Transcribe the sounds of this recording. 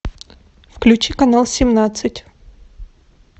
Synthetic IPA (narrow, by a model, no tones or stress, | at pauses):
fklʲʉt͡ɕikɐnalˠsʲɪmnat̪sɨtʲ